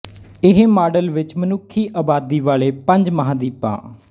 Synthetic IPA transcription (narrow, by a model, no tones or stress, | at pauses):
ɪɦmaːɖəlʋɪt͡ʃmənʊkʰːiːʔaːbaːd̪iːʋaːleːpə̃ɲd͡ʒməɦãːd̪iːpã̰ː